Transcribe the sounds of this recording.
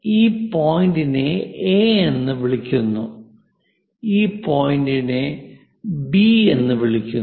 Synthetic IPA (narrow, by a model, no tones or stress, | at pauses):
iːpoːjindineeːenːɨʋiɭikʲːunːu | iːpoːjindine | bie̞nːɨʋiɭikʲːu